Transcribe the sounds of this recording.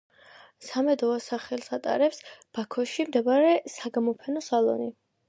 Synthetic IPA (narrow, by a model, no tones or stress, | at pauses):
samɛd̪ɔasaχɛlˠsat̪ʼa̰ɾɛpsb̥akʰɔʃimd̪ɛbaɾɛsaɡamɔpʰɛnɔsalˠɔ̰ni